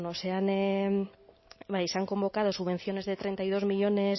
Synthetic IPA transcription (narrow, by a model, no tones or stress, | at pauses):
noseane | bajseaŋko̞mbo̞kaðo̞suββe̞n̟θjo̞ne̞zðe̞t̪ɾe̞nt̪ajð̞o̞zmiʎo̞ne̞s